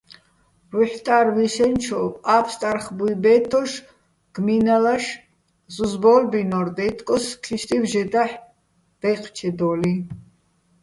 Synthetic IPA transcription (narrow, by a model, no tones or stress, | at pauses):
ɾuħt̪ʼaɾviʃɛnt͡ʃʰɔapʰst̪ʼarχbujbɛt̪ʰɔʃ | ɡ̥minalaʃ | zuzbɔlbinɔɾd̪ɛjt̪ʰʼkʼɔskʰiʃt̪ʼivʒɛd̪aħ | d̪̥ɛqʰʼt͡ʃʰɛd̪ɔːli